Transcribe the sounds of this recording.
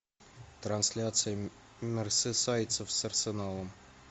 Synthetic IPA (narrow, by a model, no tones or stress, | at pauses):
t̪ransʲlʲat̪sɨjə | mʲersʲɘsajt̪sofsɐrsʲenɑlˠəm